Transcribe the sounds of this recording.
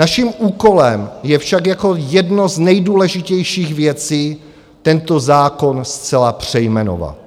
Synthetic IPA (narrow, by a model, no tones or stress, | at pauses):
naʃimʔuːko̞lɛmjɛfʃakjako̞jɛdnoznɛjduːlɛʒɪcɛjʃiːxvjɛt͡siː | t̪ɛnt̪ozaːko̞nst͡sɛlapr̝̥ɛjmɛno̰va̰l